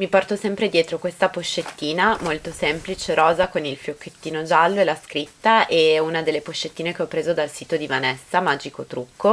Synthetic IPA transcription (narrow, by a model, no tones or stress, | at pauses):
mipɔrt̪osɛmpɾed̪jɛːt̪ɾokwest̪apoʃːet̪ːiːnamolt̪osɛmplit͡ʃeɾɔːzakonilfjokːet̪ːiːnod͡ʒalːoelaskɾit̪ːaʔeunad̪elːepoʃːet̪ːiːnekeɔpːɾeːzod̪alsiːt̪od̪ivanɛsːamaːd͡ʒikot̪ɾukʰːo